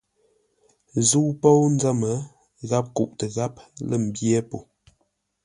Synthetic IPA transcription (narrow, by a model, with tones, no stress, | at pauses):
zu˦po˦wn̩˦d͡za˦mə˨˦ | ɣa˦p̚kṵ˨ʔtə˨ɣa˦p̚lə˦˨m̩˨bjɛ˦po˨